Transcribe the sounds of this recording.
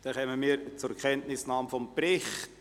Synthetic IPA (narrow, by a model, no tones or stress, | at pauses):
d̥ɛχɛːməmiːəɾt͡sʊɾkʰɛntnɪsnɑːmfɔmpɾɪχt